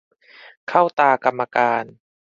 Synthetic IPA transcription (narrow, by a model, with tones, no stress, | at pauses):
kʰa˥˩wt̪aː˧ka˧mːa˧kaː˧n